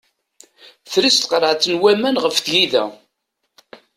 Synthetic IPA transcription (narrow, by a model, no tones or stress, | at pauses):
θɾist̪qɾˤəʕt͡s̪ːənwæmænʁəfθjiðæ̰